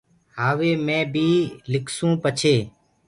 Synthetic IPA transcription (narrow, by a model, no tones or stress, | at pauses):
ɦaːʋeːmẽːbʱiːlɪkʰsũːpət͡ʃʰeː